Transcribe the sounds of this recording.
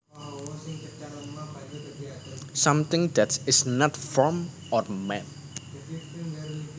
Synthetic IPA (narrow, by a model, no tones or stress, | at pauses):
sʌ̃mt̪ɪ̃ŋd̪ætsɪsnɔtfɔɹm | ɔrmɛn